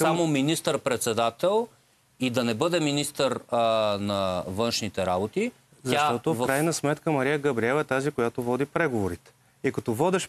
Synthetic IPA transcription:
ssamominist̪əɾpɾɛt̪sɛd̪at̪ɛlˠ | id̪ɐnɛbɤd̪ɛminist̪əɾnɐvɤnʃnit̪ɛɾabot̪i | zɐat̪ɔt̪ofvkɾajnəsmɛt̪kəmɐɾijəɡɐbɾiɛvɛt̪azikojat̪ovɔd̪ipɾɛɡovoɾit̪ɛ̥ | ikɐt̪ɔvɔd̪ɛʃ

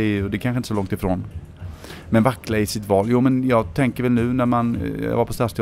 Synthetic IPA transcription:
ɔd̪ɛkʰanɧəɪnt̪əsɔlɔŋt̪ɪfɾoːn | mɛnvakːɾaɪsɪt̪vɑːljuːmɛnjɑːɡt̪ʰɛŋkəɾvɛlnʉ̟ːnæɾmanjɑ̰vaɾpʰɔst̪ast̪e

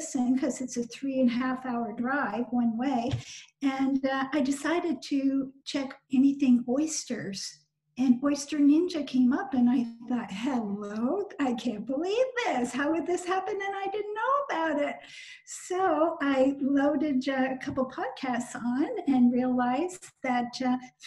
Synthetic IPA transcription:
sɪ̃nkʰʌzɨtsɨθɹiɨ̃nɦæfaʊə˞dɹaɪvwʌ̃nweɪɨ̃naɪdɨsaɪɾɨd̚tʰɨt͡ʃʰɛkɛniθɪ̃ŋɔɪstə˞z̥ | ɨ̃nɔɪstə˞nɪ̃nd͡ʒɨkʰẽɪ̃mʌpɨ̃naɪθɔt̚hɛloʊdaɪkʰæ̃nb̥əlivðɪshaʊwɨd̪̚ðɪshæpɨ̃nɨ̃naɪdɪdⁿn̩nːoʊəbaʊɾɪt̚ | soʊaɪloʊɾɨdʌɨkʰʌpl̩ˠpʰɑd̚kʰæstsn̩ɨ̃nɹiəlaɪz̥ðɨt̚

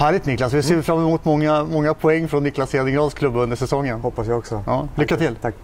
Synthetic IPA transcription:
hæːɭɪt̪nɪklasvɪseːfɾamːɛmuːt̪mɔŋːamɔŋːapʰɔɛŋːfɾɔnːɪklaseːd̪ɪŋɡɾɑːskʰlɵbːɵnd̪əʂɛsɔŋːənhɔpːasjaɔksɔɑːlʏkːat̪ʰɪlʰ

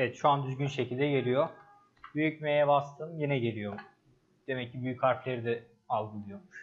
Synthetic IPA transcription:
evɛt̪ʃuand̪yzɟynʃecʰilʲd̪ɛɟe̞lʲijo | byjycmejɛbast̪ʰɯːjenɛɟe̞lʲijo̞m | d̪̥e̞mɛcʰːibyjychaɾflʲe̞ɾid̪ɛ | alˠɡɯlˠɯjo̞muʃ

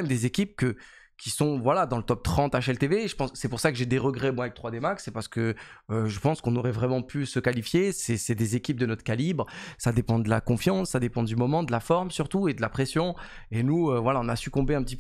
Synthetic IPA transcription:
ɛmd̪ezekʲip̚kə | kʲisɔ̃vwalad̪ɑ̃lət̪ɔp̚t̪χɑ̃t̪aʃɛlt̪eveʒəpɑ̃ssɛpuʁsakəʒed̪eʁəɡʁɛmwãvɛkt̪χwad̪emaksɛpaʁsə̥kəː | ʒəpɑ̃skɔ̃nɔʁɛvʁɛmɑ̃pʰysəkalifjesɛsɛd̪ezekʲip̚d̪ənɔt̪χkalibʁsad̪epɑ̃d̪əlakɔ̃fjɑ̃sːad̪epɑ̃d̪ymɔmɑ̃d̪əlafɔʁmsyʁt̪ued̪əlapχesjɔ̃ | enuøvwalaɔ̃nasykɔ̃beɛ̃pət̪ip

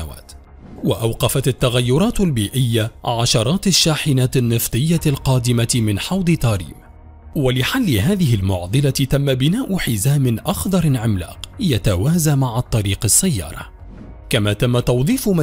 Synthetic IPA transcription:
awa̰ːt̪ | wa̰ʔawqɑfat̪at̪ːaɣajːʊɾˤɑːt̪albiːʔɪjːaʕaʃɑɾˤɑːt̪aʃːaːħɪnaːt̪ɪnːɨft̪ˤɨjːalqɑːd̪ɪmamɪnħɑwd̪ˤɨt̪ɑːɾḭːm | walɪħalːɪɦaːðɪɦɪlmʊʕd̪ˤɨlat̪amːabɪnaːʔʊħɪzaːmɪnʔɑxðˤɑɾˤɪnʕɪmla̰ːqjat̪awaːzamaʕat̪ˤːɑɾiːqɪsːajːɑ̰ːɾˤɑ̰ | kamaːt̪amːat̪ɑwðˤiːfʊma

